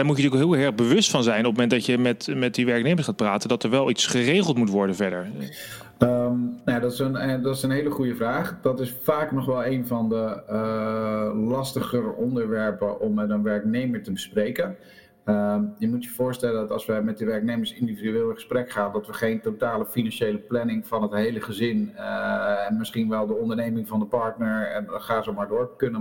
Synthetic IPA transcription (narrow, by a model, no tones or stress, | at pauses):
d̥aːɹmutətyːəkɦɪːlˠɦɛɹχbəʋɵstfɑnzɛjnɔpəməmɛntdɑtjəmɛtmɛt̚diʋɛɹknejməɹsχaːt̚praːtəndɑtəɹʋɛlˠitsχərejχəlˠtmutʋɔɹdənvɛɹdəɹ | əmnjadɔtɪsəndɑtɪsənɦejləχujəvraːχd̥ɑtɪsfaːknɔχʋɛlˠejnvɑndə | lɑstəχərɔndəɹʋɛɹpəʔɔmːɛtənʋɛɹknejməɹtəbəsprejkən | əjəmutjəv̥ʊːɹstɛləndɑtɑ̰lˠsʋəmɛt̚dəʋɛɹk̚nejməɹsɪndividyeːlˠɪχə̥sprɛkχaːndɑtʋəχejntotaːləfinɑnʃejləplɛnɪŋvɑnɦətɦejləχəzɪn | ɛnmɪsχinʋɛlˠdəɔndəɹnejmɪŋvɑndəpɑɹtnəɹɛnχaːzowmaːɹdʊːɹkɵnə